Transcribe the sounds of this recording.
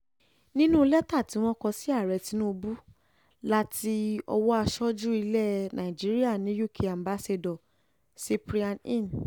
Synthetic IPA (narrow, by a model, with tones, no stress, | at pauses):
nĩ˦nũ˦lɛ˦ta˦˨ti˨˦w̃ɔ̃˦kɔ˧si˦a˦˨ɾɛ˨˧˨ti˧˦nũ˦˧bu˦ | la˦ti˧˦ɔ̰˧wɔ˦a˧ʃɔ˦d͡ʒu˦i˧lɛ˦˨nã˨i˨d͡ʒi˨˦ɾi˦a˦˨nĩ˨˦ju˦˨kʰe˧a˨m˨ba˦se˧dɔ˨ | si˧pɾi˧a˧nĩ˦˨n